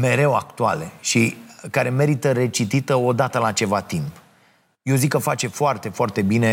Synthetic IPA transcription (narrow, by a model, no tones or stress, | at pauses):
me̞ɾe̞wakt̪ua̰leʃikaɾe̞me̞ɾit̪əɾe̞t͡ʃit̪it̪əo̞d̪at̪əlat͡ʃe̞vat̪imp | jewzikːəfat͡ʃe̞foart̪e̞foart̪e̞bine̞